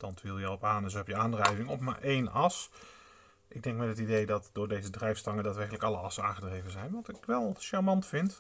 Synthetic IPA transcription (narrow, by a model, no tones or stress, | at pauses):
d̥ɑntʋilˠjəɔpaːnəsɦɛpjəaːndrɛjvɪŋɔpma̰ːɹʔejnɑs | ʔɪɡ̚dɛŋkmɛtətidejdɑtd̥ʊːɹdejzədrɛjfstɑŋədaːtʋɛrkələkɑlˠəɑsənaːχədrejvənzɛjnʋɑtɪkʋɛlˠʃaɹmɑntfɪnt